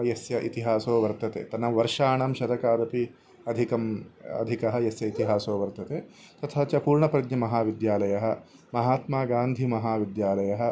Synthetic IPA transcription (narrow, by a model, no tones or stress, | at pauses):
jɐsjɐʔit̪iɦaːsoːʋɐɾt̪ɐt̪ḛːt̪ɐnɐʋɐɾʂaːɳɐmʃɐd̪ɐkaːd̪ɐpi | ɐd̪ʱikɐmɐ̰d̪ʱikɐɦɐjɐsjɐit̪iɦaːsoːʋɐɾt̪ɐt̪eː | t̪ɐt̪ʰɐɦɐt͡ʃɐpuːɾɳɐpɾɐd̪ɲɐmɐɦaːʋid̪jaːlɐjɐɦɐ̆ | mɐɦaːt̪maːɡaːnd̪ʱimɐɦaːʋid̪jaːlɐjɐɦɐ̆